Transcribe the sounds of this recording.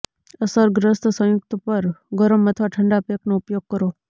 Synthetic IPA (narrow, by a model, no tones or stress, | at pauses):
əsəɾɡɾəst̪sə̃jʊk̚t̪pəɾɡʱəɾəmːət̪ʰʋaʈʰəɳɖapjeknoupjoɡ̚kəɾo